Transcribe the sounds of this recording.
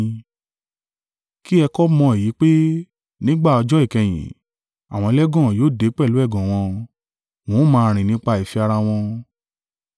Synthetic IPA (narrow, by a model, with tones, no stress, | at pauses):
ki˦ɛ˧kɔ˦mɔ̃˧˦e˨ji˨˦k͡pe˦ | nĩ˦ɡ͡ba˦˨ɔ˧d͡ʒɔ˦i˦˨kɛ̃˨j̃ḭ̃˨ | a˨w̃ɔ̃˧lɛ˦ɡɔ̃˦˨joː˦˨de˨˦k͡pɛ˦˨lu˦ɛ˦˨ɡɔ̃˨w̃ɔ̃˧ | w̃ɔ̃˨˦mãː˧ɾ̃ĩ˨nĩ˦k͡pa˧i˨fi˧a˧ɾa˧w̃ɔ̃˧